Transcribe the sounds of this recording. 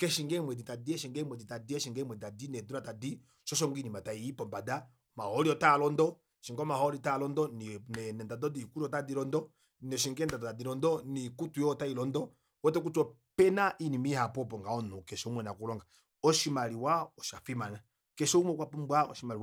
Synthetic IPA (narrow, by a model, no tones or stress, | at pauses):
kɛʃiŋɡɛmwɛditadiɛʃ̬iŋɡɛmwɛditadiɛʃiŋɡɛmwɛditadinɛduɾatadi | ʃɔʃ̬ɔŋɡinimataiipɔmbada | mahɔɾiɔtalɔndɔ | ʃiŋɡɔmahɔɾitalɔndɔninɛnɛndadɔdikuɾiɔtadiɾɔndɔ | nɛʃiŋɡɛndadtadiɾɔndɔnikutujɔtailɔndɔ | wɛtɛk̬utɔ | pɛnaʔinimihapɔpɔŋɡaɔnɔkɛʃɔumwɛnakulɔŋɡa | ɔʃimaɾiwaɔʃafimana | kɛʃɔumwɛkwapumbwaɔ̰ʃimali